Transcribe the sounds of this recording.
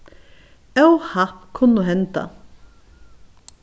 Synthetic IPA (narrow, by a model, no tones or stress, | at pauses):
œwhakʰʊnʊɦɛnt̪a̰